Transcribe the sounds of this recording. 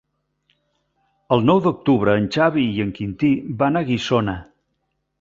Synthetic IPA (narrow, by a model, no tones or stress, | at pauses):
əlˠnɔwd̪uk̚t̪uβɾəːnt͡ʃaβiiəŋkint̪ibanəɣisonə